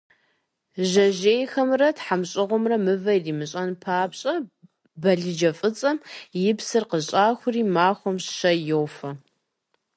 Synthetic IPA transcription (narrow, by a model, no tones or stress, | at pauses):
ʑɐʒeːjxɐmrɐtħamɕʼɪʁʷɔmrɐmɨvɐjdiːmɨɕʼɐnpʰaːpɕʼɐ | bɐɮɨd͡ʒɐfʼɨt͡sʼɐmjɪpsɨrqəɕʼaːxʷʊriːmaːxʷɔmɕʃɐjowfɐ